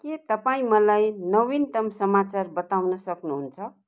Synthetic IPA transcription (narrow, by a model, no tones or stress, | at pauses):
kit̪ʌpaĩmʌlajnʌwint̪ʌmsʌmat͡sarbʌt̪awnʌsʌknuɦunt͡sʰʌ